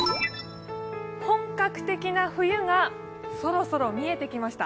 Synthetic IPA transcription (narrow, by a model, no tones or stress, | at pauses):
hõ̞ŋkakɯ̟̥t̪e̞kʲinaɸɯ̟jɯ̟ŋa | so̞ɾo̞so̞ɾo̞mʲie̞t̪e̞kʲimaɕi̥t̪a̰